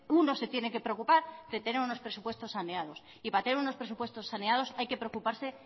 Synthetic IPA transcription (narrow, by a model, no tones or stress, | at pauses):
uno̞se̞t̪je̞neke̞pɾeokupaɾd̪et̪e̞ne̞ɾuno̞spɾe̞supwe̞st̪o̞sːaneaðo̞s | ipaɾat̪eneɾuno̞spɾe̞supwe̞st̪o̞sːaneaðo̞sajke̞pɾeokupaɾse̞